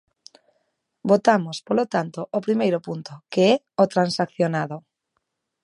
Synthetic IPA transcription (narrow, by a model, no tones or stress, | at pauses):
bot̪amospolot̪ant̪oʔopɾimejɾopunt̪okeɛ | ot̪ɾansakθjonaðo